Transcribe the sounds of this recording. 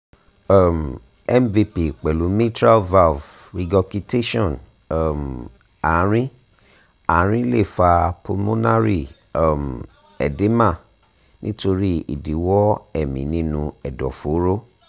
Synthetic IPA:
a˦˨m̩˨ | ɛ˦mvi˧pi˨k͡pɛ˨lu˨˦mĩ˦tɾa˦va˦v | ɾi˧ɡɔ˧ki˧te˦ʃɔ̃˦˨n˨ | m | a˨˦ɾ̃ĩ˦ | aː˨˦ɾ̃ĩ˦le˦˨fa˧po˧mõ˦na˦ɾi˦˨˦ | m˨ | ɛ̰˨de˨˦mã˦˨ | nĩ˦to˧ɾi˦ḭ˦˨di˨˦wɔ˦ɛ˦˨mĩ˨˦nĩ˦nũ˧ɛ˨dɔ̰˨fo˨˦ɾo˦

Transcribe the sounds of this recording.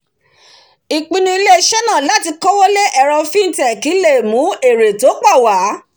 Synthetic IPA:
i˨k͡pĩ˧nũ˧i˧le˦˧ʃɛ˦nãː˦˨la˨˦ti˧kɔ˦wo˦le˦ʔɛ˧ɾɔ˧fĩ˦n̩˦tɛ˦˨ki˨˦le˦˨mũ˨˦e˨ɾe˨to˨˦k͡pa˦˨wa˨˦

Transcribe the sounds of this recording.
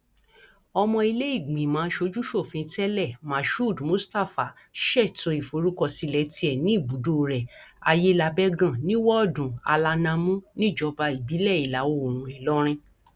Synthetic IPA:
ɔ˧mɔ̃˧i˧le˦i˦˨ɡ͡bĩ˨mãː˨˦ʃo˧d͡ʒu˦ʃo˦˨fĩ˧˦tɛ˦lɛ˦˨mã˨ʃu˦˨dmũ˨˦sta˦˨fa˨ | ʃɛ˦˨tɔ˧i˨fo˨˧˦ɾu˦kɔ˧˨si˨˧lɛ˨˦ti˧˦ɛ˨nĩ˦i˦˨bu˨˦do˦˨ɾɛ˨a˧je˦la˧bɛ˦ɡã˦˨nĩ˦wɔ˦ɔ˦˨dũ˨a̰˧la˧nã˧mũ˦nĩ˦˨d͡ʒɔ˧ba˧i˨bi˨˦lɛ˦˨i˨la˨˦wo˦˧o˨ɾ̃ũ˧˨ɛ˨lɔ˦ɾ̃ĩ˧

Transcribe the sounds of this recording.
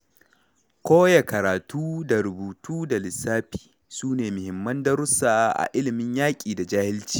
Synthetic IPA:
kʷoː˦ja˨kɐ˨ɾaː˨tuː˦da˨ɾʊ˨buː˨tuː˦da˨lɪ˨saː˦ɸi̥ː˨ | suː˦neː˨mʊ˨hɪ˨mːɐ˦ndɐ˦ɾʊ˦saː˨˦ʔa̰˨ʔɪ˦lɪ˨mɪ˦ɲjaː˦kʲʼiː˨da˨d͡ʒaː˦hɪ˦lt͡ʃi̥ː˦

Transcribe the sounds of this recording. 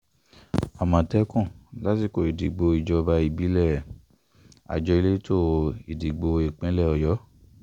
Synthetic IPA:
a˨mã˨tɛ˦kɔ̃˦˨la˨˦ti˧˦ko˨i˨di˨ɡ͡bo˧i˨d͡ʒɔ˧ba˧i˧˨bi˨˦lɛ˦˨ | a̰˨d͡ʒɔ˧i˧le˦to˦i˨di˨ɡ͡bo˧e˨k͡pɛ̃˨˦lɛ˦˨ɔ˨jɔ˨˦

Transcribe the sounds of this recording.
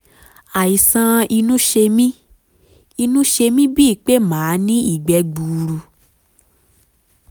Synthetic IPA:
a˨i˨sã˧i˧nũ˦ʃe˧mĩ˦ | i˧nũ˦ʃe˧mĩ˦bi˦i˦˨k͡pe˦mãː˨˦nĩ˦i˦˨ɡ͡bɛ˧ɡ͡bu˨ɾu˧

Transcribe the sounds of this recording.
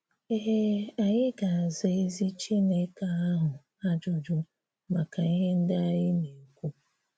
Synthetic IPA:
e˦ɦe˦a˨ɲɪ˦ɡa˨a˨ze˨e˦zi˦t͡ʃi˦ne˦ka˨a˦ɦʊ˨ | a˦d͡ʒʊ˨d͡ʒʊ˦ | ma˨ka˨i˦ɦe˦n̩˦dɪ˦a˦jɪ˦ne˨kʷu˦

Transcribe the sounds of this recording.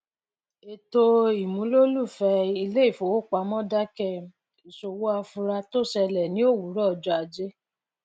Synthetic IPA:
e˨to˧i˨mũ˨˦lo˦lu˦˨fɛ˧˦i˧le˦i˦˨fo˨wo˦˨k͡pa˧˦mɔ̃˦da˦kɛ˦˨ | i˨ʃo˨wo˦a˧fu˧ɾa˧to˦˨sɛ˧lɛ˨nĩ˦o˦˨wu˨˦ɾɔ˦˧˨d͡ʒɔ˧˦a˧d͡ʒe˦

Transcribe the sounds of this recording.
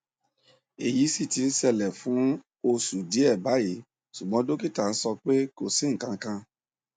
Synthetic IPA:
e˨ji˨˦si˦˨ti˧n̩˦sɛ˧˨lɛ˨fũ˨˦ | o˧su˨di˨˦ɛ˦˨ba˨˦ji˨˦ | su˨ɡ͡bɔ̃˨˦do˦ki˦˨ta˦˨n̩˦sɔ˧k͡pe˦ko˦˨si˨˦ŋ̩˨kã˧kã˧

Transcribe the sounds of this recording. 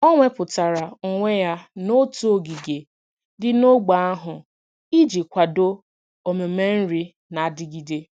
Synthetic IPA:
ɔ˦ŋʷe˦pʊ˨ta˨ɾa˨ŋ̩˨ŋʷe˦ja˦no˦tu˦o˨ɡi˨ɡe˨ | dɪ˦no˦ɡ͡ba˨˦a˦ɦʊ˨ | i˦d͡ʒi˨kʷa˨do˦ | o˨me˨me˦n̩˦ɾi˦ | na˨dɪ˦ɡi˨de˦

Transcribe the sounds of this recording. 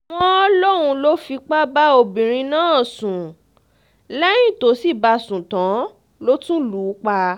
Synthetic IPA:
w̃ɔ̃˦ɔ˦lo˦ɾ̃ũ˧lo˦fi˧k͡pa˦ba˦o˧bĩ˨ɾ̃ĩ˧nãː˦˨sũ˨ | lɛ˦j̃ĩ˦˨to˨˦si˦˨ba˧sũ˨tã˨˦ | lo˦tũ˦luː˨˦k͡pa˧

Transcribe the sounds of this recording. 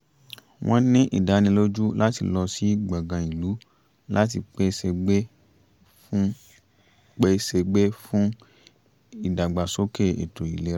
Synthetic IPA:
w̃ʔɔ̃˧nĩ˦ʔḭ˨da˨˦nĩ˧lo˦d͡ʒu˦la˦ti˧lɔ˧si˦ɡ͡ba˨ɡã˨i˨lu˨˦ | la˦t̬ḭ˧k͡pe˧se˧ɡ͡be˦ | k͡pe˦˧se˧ɡ͡be˦fũ˦ | i˦˨da˨ɡ͡ba˨so˦ke˦˨ḛ˨tʰo˨ḭ˨le˨˦

